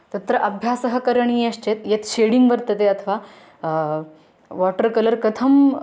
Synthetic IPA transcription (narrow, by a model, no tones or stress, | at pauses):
t̪ɐt̪ɾɐʔɐbʱjaːsɐɦɐkɐɾɐɳiːɐɕt͡ɕet̪jet̪ɕeɽiŋɡbɐɾt̪ɐt̪eɐt̪ʰəʋa | ʋɔʈəɾkɐləɾkɐt̪ʰɐm